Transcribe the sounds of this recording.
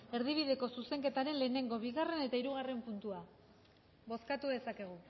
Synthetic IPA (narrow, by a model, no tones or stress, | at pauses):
e̞ɾðiβ̞iðe̞ko̞suse̞ŋke̞t̪aɾe̞nle̞ːne̞ŋɡo̞βiɣare̞ne̞t̪aiɾuɣare̞mpunt̪ua | βo̞skat̪uðe̞sake̞ɣ̞u